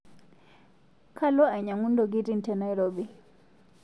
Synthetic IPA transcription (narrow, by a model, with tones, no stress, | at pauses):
kʰa˦lɔ˦a˨ɲa˨ŋu˦ndɔ˨ɡi˦ti˦n̩˨tɛ˦˨na˨jɾoɓi˨